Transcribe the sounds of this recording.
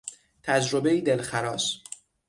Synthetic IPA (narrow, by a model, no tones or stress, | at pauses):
t̪ʰæd͡ʒɾo̞be̞iːd̪elxæɾɒːs